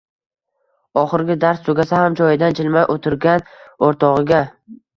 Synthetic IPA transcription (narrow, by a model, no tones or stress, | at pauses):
ɒχɨɾɡʲɪd̪aɾst̪ʰoɡʲasahamd͡ʒɒjɪd̪and͡ʒʰɪlmajʔot̪ʰɪɾɡʲanoɾt̪ʰɒʁɨɡʲa